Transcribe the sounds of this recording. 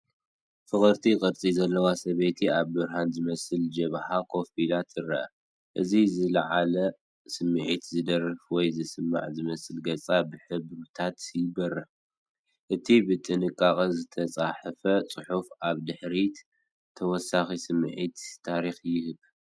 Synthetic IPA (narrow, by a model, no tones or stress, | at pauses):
fɨxɨɾt̪ʰikʼɨɾt͡sʼizɐlːɐwasɐβet̪ʰiaβbɨɾɦanzɨmɐsɨld͡ʒɐβħakʰo̞filat̪ɨɾɐʔɐ̰ | ʔɨzizɨlɐʕalɐ | sɨmːɨʕit̪zɨd̪ɐɾɨfwɔjzɨsɨmːa̰ʕzɨmɐsɨlɡɐt͡sʼabɨħɨbɾt̪ʰat̪jɪbɐrɐ | ʔɨt̪ʰibɨt̪ʼɨnɨkʼakʼɐzɨt̪ʰɐt͡sʼaħɨfɐt͡sʼɨħufaβd̪ɨħɾi | t̪ʰɐwɔsaxisɨmɨʕit̪ːʰaɾixjɪhɨβ